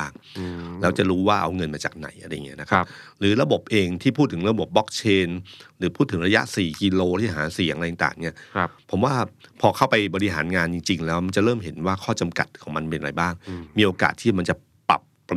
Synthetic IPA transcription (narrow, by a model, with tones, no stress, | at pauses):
aː˥˩ŋlɛː˦˥wt͡ɕa˨˩ɾuː˦˥waː˥˩ʔa̰˧wŋɤ˧nmaː˧˩t͡ɕa̰ː˨˩k̚na̰˨˩˦jʔa˧ɾa˧ja˨˩ŋːi˦˥ɐ˧na˦˥kʰa˦p̚ɾɯː˩˦ɾa˧bo˨˩p̚ʔeː˧ŋt̪ʰiː˥˩pʰuː˥˩t̪ʰːɯ˩˦ŋɾa˧bo˨˩p̚bɔ˦˥k̚t͡ɕʰeː˧nɾɯː˩˦pʰuː˥˩t̪ʰːɯ˩˦ŋɾa˧ja̰˦˥ʔsiː˨˩ki˧loː˧t̪ʰiː˥˩ɦa̰ː˩˦si˨˩˦ŋʔa˧ja˨˩˦t̪a̰ː˨˩ŋni˦˥˩ɐpʰo˩˦mwaː˥˩pʰɔː˧kʰa˥˩wpa˧jbɔː˧ɾi˧ɦa̰ː˩˦nŋaː˧nt͡ɕi˧ŋt͡ɕi˧ŋlɛː˦˥wma˧nt͡ɕa˨˩ɾɤː˥˩mɦe˩˦nwaː˥˩kʰɔː˥˩t͡ɕa˧mka̰˨˩t̪̚kʰɔː˩˦ŋma˧npe˧nʔa˧ɾa̰˧jbaː˥˩ŋmiː˧ʔoː˧ka̰ː˨˩t̪ʰːiː˥˩ma˧nt͡ɕa˨˩ | pa̰˨˩pː